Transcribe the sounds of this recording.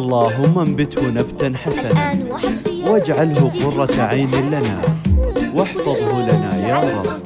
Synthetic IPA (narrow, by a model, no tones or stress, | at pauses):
ʔɑlˤːɑːɦʊmːambɪt̪hʊnabt̪anħasana | wʔad͡ʒʕalɦʊqʊrˤːɑt̪ʕajnɪlana̰ | wɑħfɑðˤhʊlana̰jaːʕɾˤɑ̰m